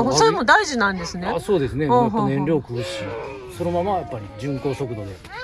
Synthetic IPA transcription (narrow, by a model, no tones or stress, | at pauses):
soɾemo̞d̪aiʑinãnd̪e̞sɨneaso̞ːd̪e̞sɨneãɦõnẽ̞nɾʲo̞ːkɯːɕi | so̞nomamajapːaɾʲid͡ʑɨ̃ŋko̞ːɕo̞kɯ̟d̪o̞d̪e̞